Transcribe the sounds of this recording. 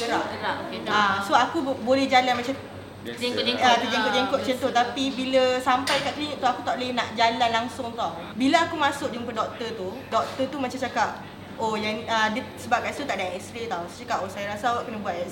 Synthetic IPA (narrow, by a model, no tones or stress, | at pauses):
ɡəɾap̚əɾaʔkasoakubolɛhd͡ʒalanmat͡ʃa | at̪əd͡ʒəŋkkʊt̪̚d͡ʒəŋkʊʔ̚t͡ʃənt̪ot̪apibiləsampajkaʔkliŋəʔt̪uakut̪aʔlɛhnaʔd͡ʒalanlaŋsʊŋt̪aw | bilaakumãsʊk̚d͡ʒəŋpədɔk̚t̪ət̪u | dɔk̚t̪ət̪umãt͡ʃant͡ʃakap̚ | ojaŋədəsəbap̚kaʔst̪ut̪aʔdaʔɛkst̪ɾet̪awst͡ʃakap̚ʔosajaɾasawaʔkənabuat̪̚